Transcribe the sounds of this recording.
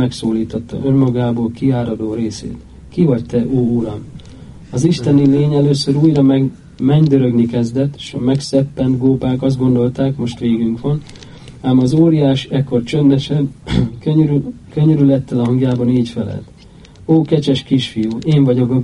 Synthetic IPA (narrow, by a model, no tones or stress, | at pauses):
ɛksoːliːt̪ot̪ːɒ̰ʔø̞nmɒɡaːboːlkiaːɾɒd̪oːɾeːsḛːt̪ | kivɒɟt̪ɛʔoːulɒm | ɒziʃt̪ɛnileːɲɛløːsøɾuːjrɒmɛ | mɛɲd̪ø̞ɾø̞ɡnikɛzd̪ɛt̪ːe̥ʃɒmɛksɛpːɛnd̪ɡoːpaːkɒzd̪̚ɡo̞nd̪o̞lt̪aːkmo̞ʃt̪ʋeːɡyŋkʋɒn | aːmɒzoːɾijaːʃɛkːo̞rt͡ʃønd̪ɛʃɛbkøøɾy | kø̞ɲøɾylɛt̪ːɛlɒɦɒŋɡjaːbɒniːcfɛlɛ̰lt̪ | oːkɛt͡ʃɛʃkiʃfijuːeːɱvɒɟo̞k